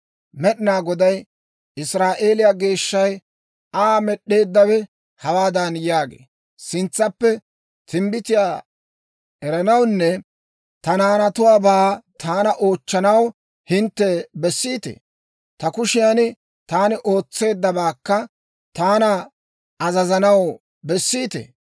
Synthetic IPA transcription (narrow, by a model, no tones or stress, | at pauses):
mɛɗɪnaːɡɔd̪ɐj | ɪsɾaːʔe̞ːlɪjaːɡe̞ːʃːɐj | aːmɛɗːe̞ːd̪ːɐβɛ | hɐwaːd̪ɐnjaːɡḛː | sɪnt͡sːɐpːɛ | t̪ʰɪmbɪt̪ɪjaː | ɛɾɐnɐwnːɛ | t̪ɐnaːnɐt̪ʊwaːbaːt̪ʰaːnɐʔo̞ːt͡ʃːɐnɐw | hɪnt̪ːɛbɛsːiːt̪ḛː | t̪ɐkʊʃɪjanɪ | t̪aːnɪʔo̞ːt͡sːe̞ːd̪ːɐbaːkːɐ | t̪aːnɐ | ɐzɐzɐnɐw | bɛsːiːt̪ḛː